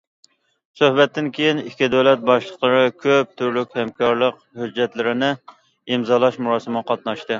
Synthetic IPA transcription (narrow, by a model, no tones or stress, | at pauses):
søhbɛt̪ːɪnkʲʰejinikʲʰːid̪ɛwlɛt̪̚bɑʃlˠəqlˠəɾɨkʲʰøp̚t̪ʰyɾlykʲhɛmkʰɑɾlˠəq | hød͡ʒːɛt̪lɪɾɪnɪ | imzɑlˠɑʃmuɾɑːsɨmɨqʰɑt̪̚nɑʃt̪ɨ